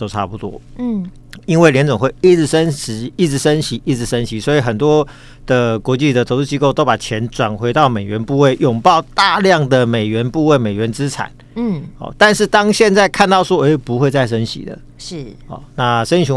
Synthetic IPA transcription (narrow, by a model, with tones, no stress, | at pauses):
t̪o˥ʊʈ͡ʂʰa̰˥˧pu˨˩t̪wɔ̰˥˦˥ | i˥nwe˥˩ɪljɛ˧˥nt͡sʊ˨˩ŋxwe˥˧ɪi˥˩t͡sɻ̩˧˩ʂə˥nʂ̩˧˥i˥˩ʈ͡ʂɻ̩˧˥ʂə˥nɕi˧˥ʔi˥˩ʈ͡ʂɻ̩˧˥ʂə˥nɕi˧˥swɔ˧˥i˨˩xə˨˩nt̪wɔ˦˥ | d̪̥ə˨kwɔ˧˥t͡ɕi˥˨d̪ə˨t̪ʰo˧˥t͡su˥˩t͡ɕi˥ko˥ʊt̪o˥ʊpa˨˩t͡ɕʰjɛ˧˦nʈ͡ʂwa˨˩nxwe˧˥ɪt̪ɑ˥˩ʊme˨˩ɪɥɛ˧˥npu˥˧we˥˩ɪʔjʊ˨˩ŋpɑ˥˧ʊt̪a˥˧ljɑ˥˩ŋd̪ə˨me˨˩ɪɥɛ˧˥npu˥˧we˥˩ɪme˨˩ɪɥɛ˧˥nt͡sɹ̩˦ʈ͡ʂʰa̰˨˩˦n˥˩ | ɔ̰˨t̪a˥˧nʂ̬ɻ̩˥˩t̪ɑ˥ŋɕjɛ˥˧nt͡sa˥˧ɪkʰa˥˧nt̪ɑ˥˩ʊʂwɔ˥˧˥pu˧˥xwe˥˧ɪt͡sa˥˩ɪʂə˥nɕḭ˨˥d̪ə̰˨˥˩ | ɔ̰˨˩na˥˧ʂə˥ni˨˩ɕʰi˧˥